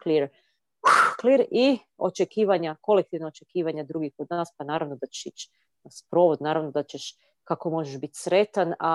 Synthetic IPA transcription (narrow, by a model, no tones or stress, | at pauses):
kliɾ | kliɾi | o̞̰t͡ʃekiːʋaɲako̞lek̚t̪iʋnaot͡ʃe̞kiːʋaɲad̪ɾuɡixko̞d̪naːspanaːɾaʋno̞d̪at͡ʃe̥ʃit͡ʃ | aspɾo̞ʋod̪naːɾaʋnod̪at͡ɕeʃ | kakomo̞ʒeʒbit̪sɾe̞t̪ana